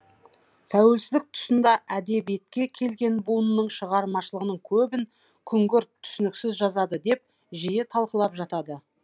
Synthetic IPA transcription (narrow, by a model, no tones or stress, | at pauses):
t̪ʰæwe̞lsɪzɪk̚t̪ʰʊ̥sənd̪ɑʔæd̪e̞bijet̪̚kʲe̞kʲʰe̞lɡʲe̞nbunənəɴʃəʁɑɾmɑʃəlˠəʁənəɴkʲʰɵbɪŋ | kʲʰʏŋɡʲɪɾt̪ʰːʏ̥sʏnɪksɪzʒɑzɑd̪əd̪e̞p̚ | ʒijet̪ʰɑlˠqəlˠɑpʒɑt̪ɑd̪ə